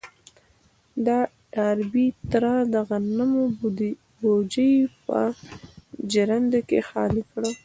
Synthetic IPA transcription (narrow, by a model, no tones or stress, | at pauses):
d̪ɑ | aɾbit̪ɾɑd̪aɣanamo | bod͡ʒəjpa̰ | d͡ʒaɾand̪akḛxɑ̰lɪfɽa